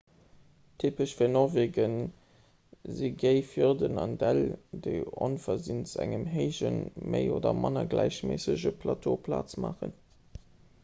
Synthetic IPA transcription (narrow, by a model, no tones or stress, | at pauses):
tʰipəʃfiːɐnɔʁveːɡən | ziɡeɪfiʁdənɑndældəɪonfɐzinsæŋəmɦeɪʑənməɪoːdɐmʔɑnɐɡlæɪɕmeːsəʑəpʰlɑtʰoːpʰla̰ːt͡smaːχə̰n